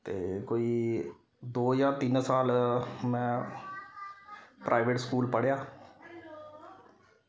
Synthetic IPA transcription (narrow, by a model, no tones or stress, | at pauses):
t̪ḛːkoːiː | d̪oːjaːt̪ɪnsaːlmɛ̃ː | pɾʔaːɪʋeːʈskuːlpəɽjaː